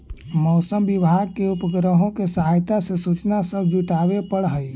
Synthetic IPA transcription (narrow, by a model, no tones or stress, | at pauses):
mɔːsəmbɪbʱaːɡ̚keʊpəɡɾəɦõkesəɦaːjt̪asesuːt͡ʃnasəb̚ʱd͡ʒuʈaːwepəɽɦəi